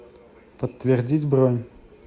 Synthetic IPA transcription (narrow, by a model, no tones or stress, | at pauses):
pət̪ːvʲɪrdʲitʲbɾonʲ